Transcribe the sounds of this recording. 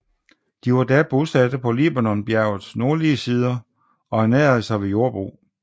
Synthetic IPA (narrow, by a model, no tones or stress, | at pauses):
d̥iʋɑ̈d̥æb̥osæd̥əpʰɒ̽lib̥ænɒ̽nb̥jæɐʊð̩ˠsno̝ɐliəsiːð̞ˠɐ | ɒ̽hænɛːɐð̩ˠsɑ̈ɪʋe̝jo̝ɐb̥ʁṵː